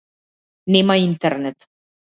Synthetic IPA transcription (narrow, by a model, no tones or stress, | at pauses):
nemaint̪eɾnet̪